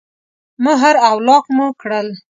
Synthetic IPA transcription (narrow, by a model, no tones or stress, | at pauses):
mʊɦaɾawlɑqmukɽəl